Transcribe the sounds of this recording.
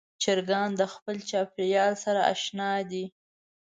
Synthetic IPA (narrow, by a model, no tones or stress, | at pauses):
t͡ʃɪɾɡɑnd̪əxpəlt͡ʃɑpɪɾjɑlsaɾaa̰ʃnɑd̪i